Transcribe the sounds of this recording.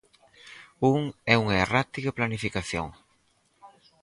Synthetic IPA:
uŋɛuŋɐerat̪iɣɐplanifikaθjo̰ŋ

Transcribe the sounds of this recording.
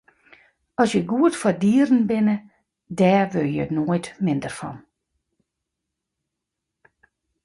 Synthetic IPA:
ɔsjəɡuːətfɔdiːɾn̩bɪnə | dɛʋøjənodmɪndərfɔ̰n

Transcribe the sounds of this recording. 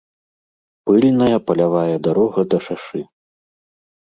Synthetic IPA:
pɨlʲnɐjɐpɐlʲavajɐd̪aɾɔɣɐd̪ɐʂaʂɨ

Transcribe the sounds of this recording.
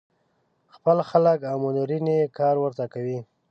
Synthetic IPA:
xpəlxaləkawmʊnuɾinekɑɾwəɾt̪akawi

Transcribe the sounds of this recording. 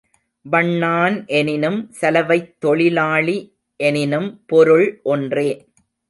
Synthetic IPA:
bɐɳːaːnʔɛnɪnɯmsɐlɐʋɐɪt̪ːɔɭɪlaːɭi | ʔɛnɪnɯmpɔɾɯɭʔɔndreː

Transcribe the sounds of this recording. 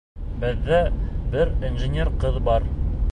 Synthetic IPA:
bɘ̆ðːæbɘɾinʒɘ̆nʲeɾqɤðbɑɾ

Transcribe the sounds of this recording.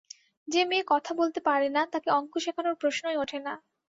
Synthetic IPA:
d͡ʑemekɔt̪ʰabolt̪epaɾenat̪akeɔŋkoʃekʰanoɾpɾoʃnoeoʈʰena

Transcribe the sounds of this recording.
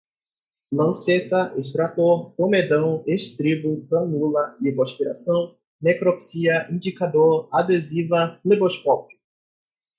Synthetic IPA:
lɐ̃set̪ɐʔeʃt̪ɾat̪oɾpõmed̪ɐ̃w̃eʃt̪ɾibut̪ɐ̃nulɐiboʃpiɾa̰sɐ̃w̃ | nekɾopsiɐĩnd͡ʒikad̪oɾad̪ezivɐleboskɔpu̥

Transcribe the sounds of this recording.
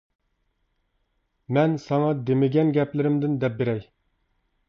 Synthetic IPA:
mɛnsɑŋɑd̪emɪɡʲɛnɡʲɛplɪɾɪmd̪ɪnd̪ɛp̚beɾɛj

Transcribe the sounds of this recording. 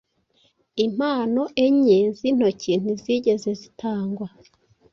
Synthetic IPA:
im̥aːno̞ʔeɲezin̥ocin̥uziɟe̞ze̞zitaːŋɡwa

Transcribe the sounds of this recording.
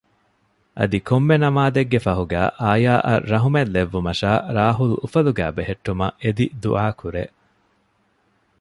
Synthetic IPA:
ʔɐ̰d̪ikʰomːenɐmaːd̪eɡːefɐɦuɡæːʔaːjaːʔɐɾːɐɦumelːeʋːumɐʃaːɾaːɦulufɐluɡæ̰ːbeɦeʈːumɐ̰ʔed̪id̪ṵʔaːkʰuɾeː

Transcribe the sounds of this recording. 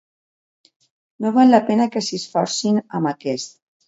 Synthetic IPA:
noβalːapenəkəsisfɔɾsinəmakɛst̪̚

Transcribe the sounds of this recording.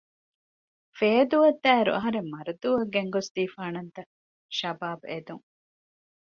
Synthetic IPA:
feːd̪uʋɐd̪ːæːeɾṵʔɐ̰ɦɐɾemːɐɾɐd̪uʋɐɡeŋɡosd̪iːfaːnɐnt̪ɐ | ʃɐbaːbed̪uŋ

